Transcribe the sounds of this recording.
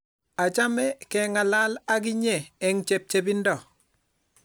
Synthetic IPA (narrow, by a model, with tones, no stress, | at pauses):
a˨t͡ʃa˦mɛ˦kɛŋa˨la˦la˦ɡ̬i˦ɲɛː˨ŋt͡ʃɛ˨p̚t͡ʃe˨bi˦ndɔ˨